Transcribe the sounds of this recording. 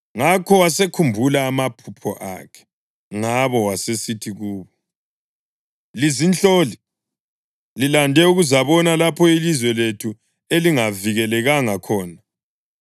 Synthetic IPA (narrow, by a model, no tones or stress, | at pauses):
ŋakʰɔwasekʰumbʱulaːmapʰupʰɔʔa̰kʰɛ̥ | ŋaβɔwasesitʰiɣuːβɔ | lizint͡ɬoːli | lilandʱɛuɣuzaβɔnalapʰɔilizwɛletʰu | eliŋaviɣɛlɛɣaŋakʰɔːna